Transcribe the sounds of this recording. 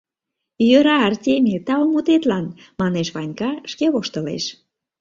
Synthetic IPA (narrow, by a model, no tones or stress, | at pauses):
jøɾɑːrtʲemʲet̪ɑomut̪et̪lɑn | mɑneʃβɑnʲkɑʃkeβoʃt̪ə̆lḛʃ